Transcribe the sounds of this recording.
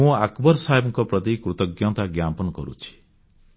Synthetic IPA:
ũakbɔɾsaɦebɔŋkɔpɾɔt̪ikɾut̪ɔɡjɔ̃t̪aɡjapɔnɔkɔɾṵt͡ʃʰi̥

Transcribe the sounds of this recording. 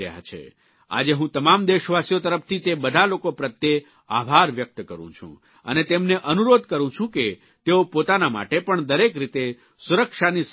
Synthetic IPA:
ə̰ja̰t͡ʃʰḛ | a̰d͡ʒeɦũt̪əmamd̪eʃʋasjot̪əɾəp̚ʰt̪ʰit̪ebəd̪ʱalokopɾət̪je | a̰bʱaɾʋjək̚t̪kəɾṵ̃t͡ʃʰṵ̃ | ə̰net̪emneʔənuɾod̪̚kəɾũt͡ʃʰũke | t̪eopot̪anama̰ʈepəɳd̪əɾekɾit̪e | suɾəkʃanis

